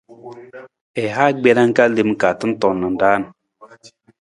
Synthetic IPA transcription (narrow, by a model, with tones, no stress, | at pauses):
ɛ˨ɦa˦ɡ͡bɛ˦na˦ŋ̩˦ka˦li˨m˨ka˨tɨ˦n̩˦tɔ˨nːə˨n̩˨da˦˨n˨